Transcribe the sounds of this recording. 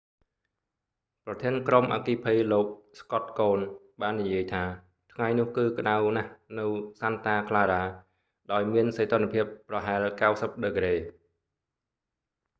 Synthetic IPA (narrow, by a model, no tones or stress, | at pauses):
prɑt̪ʰiənkromʔa̰ːkiːpʰijloːk̚skɑt̪̚koːn | ɓaːnːijiəjt̪ʰaː | t̪ʰŋajnʊ̆əhkɨːk̆ɗawnahnɨwsant̪aːkʰlaːɾaː | ɗaɔjmiənset̪ʰonːpʰiəp̚ːrɑɦaɛlkawsəp̚ɗəkɾeː